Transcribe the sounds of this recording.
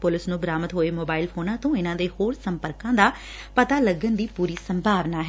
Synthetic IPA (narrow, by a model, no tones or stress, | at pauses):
pʊlɪsnũːbɾaːmət̪ɦoːeːmoːbaːɪlpʰoːnãːt̪õːɪnãːd̪eːhoːɾsəmpəɾkãːd̪aː | pət̪aːləɡənd̪iːpuːɾiːsəmbʱaːʋnaːɦ